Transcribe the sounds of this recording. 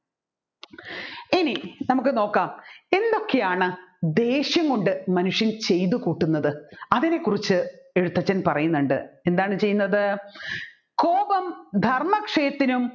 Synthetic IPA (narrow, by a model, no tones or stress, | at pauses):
ininɐmukːɨno̞ːkːaːme̞nd̪o̞kːe̞jaːɳɨd̪e̞ːɕjɐŋɡo̞ɳɖɨmɐnuʂjɐnt͡ɕe̞jt̪ukuːʈːunːɐðɨɐðinekːurit͡ɕːɨe̞ɻut̪ːɐt͡ɕːɐnpɐrɐjunːuɳɖɨ̰e̞nd̪aːɳɨt͡ɕe̞junːɐðɨ | ko̞ːbɐmd̪ʱɐrmɐkʂɐjɐt̪ːinum